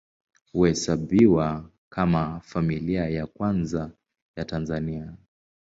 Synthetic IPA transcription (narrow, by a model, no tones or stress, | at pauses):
huhɛsaɓiwa | kamafamiliajakwanza | jatanzania